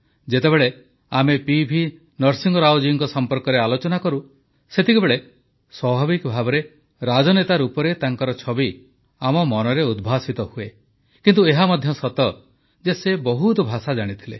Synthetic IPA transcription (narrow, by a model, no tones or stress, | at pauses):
d͡ʒet̪ebeɭe | amepibʱi | nɔɾsiŋɡɔɾawd͡ʒiŋkɔsɔmpɔɾkɔɾealot͡ʃɔnakɔɾu | set̪ʰikɔbeɭe | swɔbʱabikɔbʱabɔɾe | ɾad͡ʒɔnet̪aɾupɔɾet̪aŋkɔɾɔt͡ʃʰɔbi | amɔmɔnɔɾeud̪bʱasit̪ɔhue | kint̪̬ueɦamɔd̪ʱjɔsɔt̪ɔ | d͡ʒesebɔɦut̪ɔbʱasad͡ʒaɽ̃it̪ʰilḛ